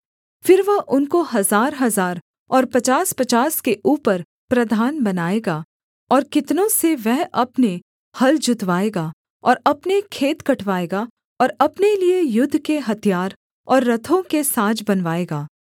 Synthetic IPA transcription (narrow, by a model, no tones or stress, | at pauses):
fɪɾʋɐɦʊnkoɦɐzaːɾɦɐzaːɾ | ɔːɾpɐt͡ʃaːspɐt͡ʃaːskeʔuːpəɾ | pɾɐd̪ʱaːnbɐnaːeːɡaː | ɔːɾkɪt̪nõseʋɛɦɐpne | hɐld͡ʒʱʊt̪ʋaːeːɡaː | ɔːɾɐpnekʰeːt̪kɐʈʰʋaːeːɡa | ɔːɾɐpneliejʊd̪ʱːkeɦɐt̪ʰijaːɾ | ɔːɾːɐt̪ʰõkesaːd͡ʒbɐnʋaːeːɡaː